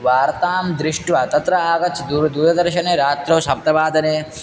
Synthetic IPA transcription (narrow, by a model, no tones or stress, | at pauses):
ʋaːɾt̪aːmd̪ɾiʂʈʋɐt̪ɐt̪ɾɐaːɡɐt̪d̪uɾd̪uːɾɐd̪ɐɾʃɐneːɾaːt̪ɾɐːsɐp̚t̪ɐbaːd̪ɐneː